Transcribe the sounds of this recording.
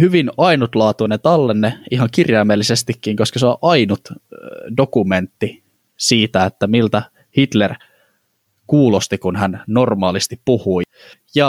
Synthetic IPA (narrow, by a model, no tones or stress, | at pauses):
hyʋinɑinut̪lɑːt̪unet̪ɑlːenːeiɦɑŋkirjɑːmelːisest̪ikːiŋkoskɑseoʔɑjnut̪dokument̪ːi | siːt̪æet̪ːæmilt̪æ | hit̪ler | kuːlost̪ikunhænno̞rmɑːlist̪ippuhui | jɑ